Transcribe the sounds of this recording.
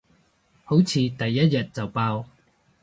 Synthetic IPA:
ho˨˥wt͡sʰiː˨˧t̪ɐ˨jːɐ˥t̚jɐ˨t̚t͡sɐ˨wpaː˧w

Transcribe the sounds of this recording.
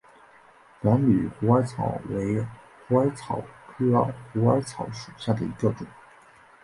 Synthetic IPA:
na˧˥nly˨˩xu˧˥a˥ɪt͡sʰɑ˨˩˦ʊwe˧˥ɪ | xu˧˥a˥ɪt͡sʰɑ˨˩ʊkʰɤ˥xu˧˥a˥ɪt͡sʰɑ˧˥ʊʂu˨˩ɕja˥˩d̪ə̰˩i˧˥ɡə˧ʈ͡ʂʊ˨˩˦ŋ

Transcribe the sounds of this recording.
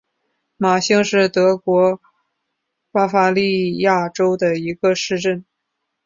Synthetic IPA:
ma˨˩ɕi˥ŋʂɻ̩˥˩t̪ɤ˧˥kwɔ˧˥ | pa˥fa˥li˥˧ja˥˩ʈ͡ʂo˥ʊd̪ə˨i˧˥ɡə˧ʂɻ̩˥˧ʈ͡ʂə˥˩n

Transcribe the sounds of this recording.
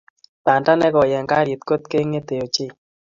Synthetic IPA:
pa˨nda˦nɛ˦kɔ˨jɛ˨ŋɡa˦ɾi˨t̪ko˦t̪̚ke˦ŋːe˦t̪e˨o˨t͡ʃɪ˦˨

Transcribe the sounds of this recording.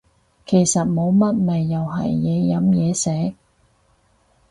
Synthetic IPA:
kʰe˨˩jsɐ˨t̚mo˨˧˥wmɐ˥t̚mɐ˨jːɐ˨whɐ̰˨˩jːɛː˨˧jɐ˨˥mjɛː˨˧sɛː˨˥k̚

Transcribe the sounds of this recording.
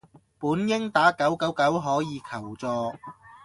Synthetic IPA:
puː˨˥njɪ˥ŋt̪aː˨˥kɐ˨˥wkɐ˨˥wkɐ˨˥wɦɔː˨˥jiː˨˧kʰɐ˨˩wt͡sɔː˧

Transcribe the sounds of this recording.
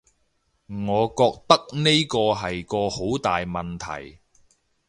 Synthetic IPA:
ŋɔː˨˧kɔː˧k̚t̪ɐ˥k̚ne˥jkɔː˧ɦɐ˨jkɔː˧ho˨˥wt̪aː˨jmɐ˨nt̪ʰɐ̰˨˩j

